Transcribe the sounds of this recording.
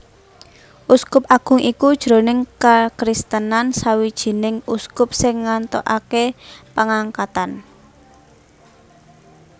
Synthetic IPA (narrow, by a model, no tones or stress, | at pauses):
ʔuskʊpaɡ̥ʊ̤ŋikud̥ʒ̥ɾo̤nɪŋkakɾist̪ənansawid̥ʒ̥i̤nɪŋuskʊp̚sɪŋːant̪o̰ʔakepəŋaŋkat̪an